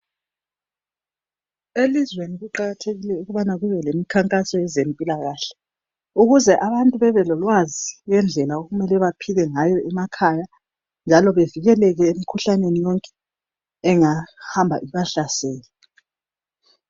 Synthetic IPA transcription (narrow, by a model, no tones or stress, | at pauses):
elizweniɣuǃaɣatʰeɣilɛuɣuβanaɣuβɛlemikʰaŋkʼasɔɛzempʼilaɣaːɬɛ̥ | uɣuzɛʔaβantʼuβɛβɛlɔlwaziɣɛnd͡ɮʱɛlaoɣumɛlɛβapʰiɣɛŋajɔʔɛmakʰaja | nd͡ʒʱalɔβeviɣɛlɛɣɛemikʰuɬanenijɔŋkʼɛ̥ | ɛŋahambʱa̰ʔiβaɬasɛːlɛ